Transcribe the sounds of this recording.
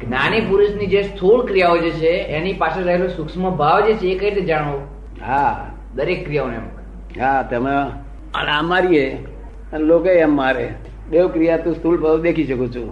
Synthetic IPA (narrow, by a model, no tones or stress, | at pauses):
ɡʱnanipuɾuʃnid͡ʒest̪ʰuɭkɾijaod͡ʒet͡ʃʰeenipaʃeɾəɦelosʊksməbʱaʋd͡ʒet͡ʃʰeːkəined͡ʒaɽ̃o | ɦa | d̪əɾekːɾijaonḛmk | ɦat̪əme | əneəmaɾie | lokeːmːaɾe | beʋkɾijat̪ũst̪ʰulbʱaʋd̪ekʰiʃəkot͡ʃʰũ